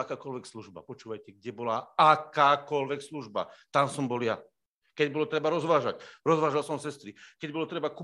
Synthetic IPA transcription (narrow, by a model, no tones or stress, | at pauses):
akaːkɔlʋɛksluʒba̰pɔt͡ʃuːʋajcɛɡ̚ɟɛbɔlaakaːkɔlʋɛksluʒba̰t̪amsɔmbɔlja | kɛɟbɔlɔt̪ɾɛbaɾɔzʋaːʒacɾɔzʋaːʒalsɔmsɛst̪ɾikɛɟbɔlɔt̪ɾɛbaku